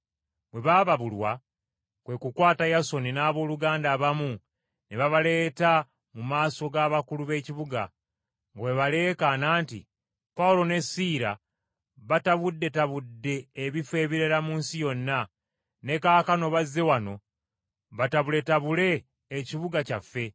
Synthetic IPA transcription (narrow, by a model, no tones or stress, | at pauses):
bwe̞βaːβaβulwa | kwe̞kukwaːtajaso̞ninaːβo̞ːluɡaːndaːβamu | neβaβale̞ːta | mumaːso̞ɡaːβakuluβe̞ːciβuɡa̰ | ŋɡawe̞βale̞ːkanaːntḭ | paulo̞ne̞siːɾa | βataβudːe̞taβudːe̞ːβife̞ːβiɾe̞ɾamuːnsijo̞nːa | ne̞kaːkano̞βazːe̞wano̞ | βataβule̞taβule̞ː | ciβuɡacafːe̞